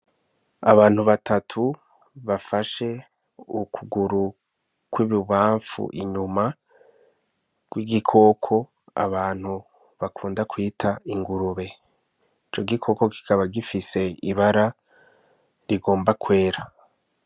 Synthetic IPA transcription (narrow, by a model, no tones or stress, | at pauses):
aβaːn̥huβatʰatʰu | βafaʃe̞ | ukʰuɡuɾu | kwiːβiβaːɱfṵʔḭɲuma | ɡ̥wiɡikʰo̞ːkʰo̞ | a̰βaːn̥hu | βakʰuːndakwiːtʰaiŋɡuɾuβe̞ | it͡ʃo̞ɡikʰo̞ko̞ki̥kaβaɡifise̞iβaɾa | ɾiɡo̞ːmbakwe̞ːɾa